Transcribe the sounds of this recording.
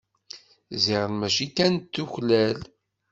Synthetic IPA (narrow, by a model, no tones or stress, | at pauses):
ziʁəlmæʃikænt̪ːuçlæl